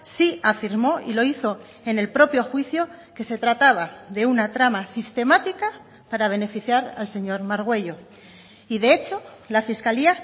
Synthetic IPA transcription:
siafiɾmo̞ḭlo̞iθo̞ | e̞ne̞lpɾo̞pjo̞xwiθjo̞ke̞se̞t̪ɾat̪aβ̞aðe̞unat̪ɾamasist̪e̞mat̪ika | paɾaβ̞e̞ne̞fiθjaɾa̰lse̞ɲo̞ɾmaɾɣ̞we̞ʎo̞ | iðe̞et͡ʃo̞lafiskalia

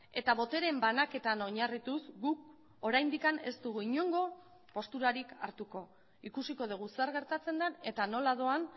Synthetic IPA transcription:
e̞t̪aβo̞t̪e̞ɾe̞mbanake̞t̪ano̞ɲarit̪usɡuk̚ | o̞ɾajnd̪ikane̞st̪uɣuiɲoŋɡo̞ | po̞st̪uɾaɾika̰ɾt̪uko̞ | ikusiko̞ð̞uɣ̞useaɾɣ̞e̞ɾt̪at͡se̞nd̪ane̞t̪ano̞laðo̞an

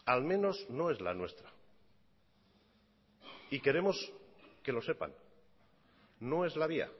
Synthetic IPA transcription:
almẽ̞no̞zno̞e̞zla̰nwe̞st̪ɾa | ike̞ɾe̞mo̞ske̞lo̞se̞pa̰n | o̞e̞zlaβia̰

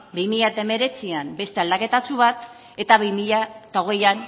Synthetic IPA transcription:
bimiʎat̪aeme̞ɾe̞t͡siambe̞st̪e̞ald̪ake̞t̪at͡suβ̞at̪ | e̞t̪aβimiʎat̪aoɣe̞jan

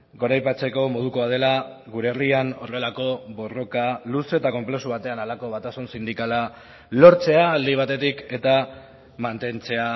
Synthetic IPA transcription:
ɡo̞ɾajpat͡se̞ko̞mo̞ðuko̞að̞e̞la | ɣuɾe̞ːriano̞re̞lako̞βo̞ro̞kaluse̞t̪ako̞mple̞suβat̪e̞analako̞β̞at̪asunsind̪ikala | lo̞ɾt͡se̞aljβ̞at̪e̞t̪ike̞t̪a | mant̪e̞nt͡se̞a

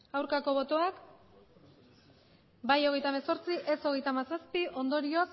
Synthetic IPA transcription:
awɾkako̞β̞o̞t̪oak | bajo̞ɣ̞e̞jt̪ameso̞ɾt͡siʔe̞so̞ɣ̞e̞jt̪amasaspiʔo̞nd̪o̞ɾio̞s

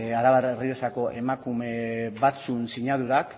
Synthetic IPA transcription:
aɾaβaɾeriesako̞ʔe̞makume̞βat͡sunsiɲaðuɾak

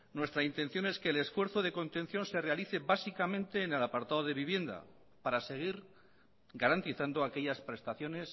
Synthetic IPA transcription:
nwe̞st̪ɾaint̪e̞nθjo̞ne̞ske̞ːle̞sfwe̞ɾθoðe̞ko̞nt̪ẽ̞n̟θjo̞nse̞re̞aliθe̞βasikamẽnt̪e̞ːne̞lapaɾt̪aðoðe̞βiβje̞nd̪a̰ | paɾase̞ɣ̞iɾ | ɡaɾant̪iθand̪oake̞ʎaspɾe̞st̪aθjo̞ne̞s

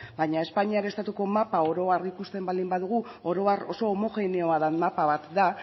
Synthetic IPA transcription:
bajɲae̞spaɲiaɾest̪at̪uko̞mapao̞ɾo̞arikust̪e̞mbald̪imbaðuɣuo̞ɾo̞aro̞so̞ːmo̞xe̞ne̞o̞aðanmapaβat̪d̪a

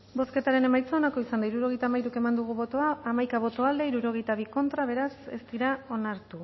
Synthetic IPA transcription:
bo̞ske̞t̪aɾe̞ne̞majt͡saonako̞isand̪aiɾuɾo̞ɣ̞ejt̪amajɾuke̞mand̪uɣ̞uβo̞t̪o̞aːmajkaβ̞o̞t̪o̞ald̪e̞iɾuɾo̞ɣ̞e̞jt̪aβ̞iko̞nt̪ɾaβ̞e̞ɾase̞̰st̪iɾao̞naɾt̪u

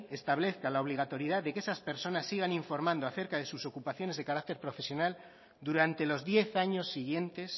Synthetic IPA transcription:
e̞st̪aβle̞θkalaoβ̞liɣ̞at̪o̞ɾjiðaðe̞keesaspe̞ɾso̞nasːiɣ̞aniɱfo̞ɾmãnd̪oaθe̞ɾkað̞e̞suso̞kupaθjo̞ne̞zðe̞kaɾak̚t̪eɾpɾo̞fe̞sjo̞nal | d̪uɾant̪e̞lo̞zðje̞θaɲo̞sːiɣ̞je̞nt̪e̞s

